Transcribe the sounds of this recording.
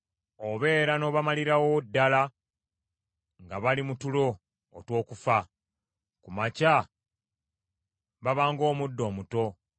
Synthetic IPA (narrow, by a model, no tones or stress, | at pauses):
oβe̞ːɾano̞βamaliɾawodːala | ŋɡaβalimutulo̞ː | two̞ːkufa | kumaca | βaβaːŋɡo̞ːmudːo̞ːmuto̞